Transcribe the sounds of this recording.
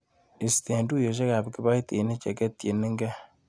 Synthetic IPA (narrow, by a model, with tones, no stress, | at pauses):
i˨si̥˨te˨ndu˦˨jo˨ʃ̬e˦ka˨bi˨ki˦ba˦i˦te˨ne˦t͡ʃḛ˨ke˦tje˨ni˦ŋ˦ɡa˦